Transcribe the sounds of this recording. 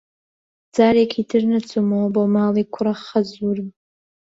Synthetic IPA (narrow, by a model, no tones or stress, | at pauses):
d͡zaɾekʲʰidʰɨrnat͡sʷʰomobomalikʷʰraχazurm